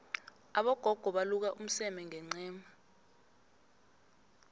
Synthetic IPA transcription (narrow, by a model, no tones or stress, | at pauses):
aɓɔɡ̥ʱɔɡ̥ʱɔɓaluk̬aʔum̩sɛmɛŋɛŋ͡ǀɛːma